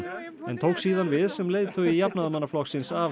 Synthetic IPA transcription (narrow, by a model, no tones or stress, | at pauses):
ɛ̰nt̪ʰoːwksiːðanvɪðsɛmleːjðt̪ʰœijapnaðmanːaflɔxksɪnsa